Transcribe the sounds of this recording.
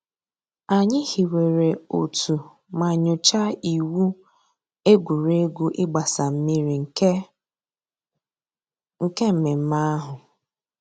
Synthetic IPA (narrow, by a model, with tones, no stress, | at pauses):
a˨ɲɪ˦hi˨we˨ɾe˨o˨tu˨ | ma˨ɲʊ˨t͡ʃa˦i˨wu˦ | e˦ɡʷu˨ɾe˦ɡu˦ʔɪ˦ɡ͡ba˨sa˨m̩˦mi˦ɾi˨ŋ̩˨˦ | ŋ̩˨ke˦m̩˨me˨m̩˦ma˦a˦ɦʊ˨